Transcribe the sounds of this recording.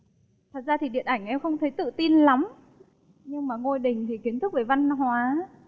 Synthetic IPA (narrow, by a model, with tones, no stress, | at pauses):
t̪ʰa˨˩zaː˧t̪ʰi˨˩ɗḭ˧˨ənʔa˧˩jŋ̟ʔɛ˧mxə˧wŋ͡mt̪ʰə˨˦jt̪ɨ̰˧˨t̪i˧nla˨˦m | ɲɨ˧ŋmaː˨˩ŋo˧jɗï˨˩ŋ̟t̪ʰi˨˩ki˨˦ənt̪ɨ˦˥k̚veː˧˨˩va˧nɦwaː˨˦